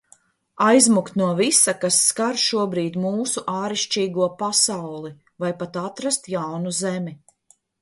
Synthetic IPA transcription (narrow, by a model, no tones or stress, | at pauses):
ajzmukt̪nuɔvisakasːkaɾʃuɔbɾiːd̪muːsuʔaːɾiʃt͡ʃiːɡuɔpasawlˠi | vajpat̪at̪ɾast̪jawnuzɛmi